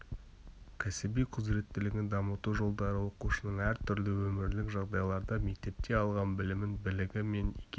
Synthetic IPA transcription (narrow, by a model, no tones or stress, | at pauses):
kʲʰæsɪbijqʰʊzɾe̞t̪ːɪlɪɡʲɪnd̪ɑmət̪uʒo̞lˠd̪ɑɾəwo̞quʃənəɴæɾt̪ʰʏɾlɪwɵmɪɾlɪkʒɑʁd̪ɑjlˠɑɾd̪ɑme̞k̚t̪e̞p̚t̪e̞ɑlˠʁɑnbɪlɪmɪnbɪlɪɡʲɪme̞njḛkʲe